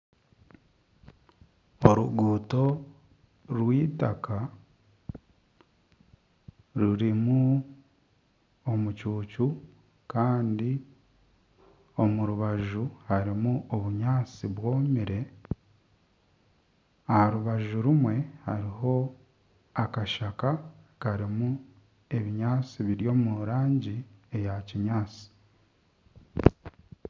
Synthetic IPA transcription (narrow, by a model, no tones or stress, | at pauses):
oɾuɡuːto̞ | ɾwiːtaka | ɾuɾimu | o̞mucuːcu | kaːndi | o̞muɾuβaʒuhaɾimuoβuɲaːt͡siβwo̞ːmiɾe̞ | ahaɾuβaʒuɾumwe̞haɾiɦo̞ | akaʃakakaɾimu | e̞βiɲaːt͡siβiɾjo̞ːmuɾaːɲɟie̞jaciɲaːt͡si̥